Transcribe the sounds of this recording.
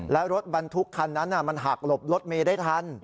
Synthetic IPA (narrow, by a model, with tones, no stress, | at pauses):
lɛː˦˥wɾo˦˥t̪̚ba˧nt̪ʰu˦˥kʰːa˧nːa˦˥nʔa˧˨˩ma˧nɦaː˨˩k̚lo˨˩p̚ɾo˦˥t̪̚meː˧da˥˩jt̪ʰa˦˧˥n